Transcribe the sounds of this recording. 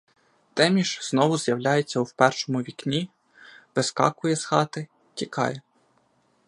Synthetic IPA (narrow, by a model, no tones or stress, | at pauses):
t̪ɛmʲiʃznɔʋʊzjɐwlʲajet͡sʲːɐuwpɛrʃɔmʊʋʲiknʲi | ʋɪskɑ̰kʊjɛsxɑt̪ɪ | tʲikɑ̰jɛ